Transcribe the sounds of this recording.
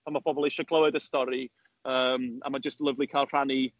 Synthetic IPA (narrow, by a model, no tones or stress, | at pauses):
amab̥ʰɔbɔlˠiʃɔkʰlˠəwɛdəstɔɾi | əːma̰mad͡ʒəstlˠəvlˠikʰaɪlˠr̥ani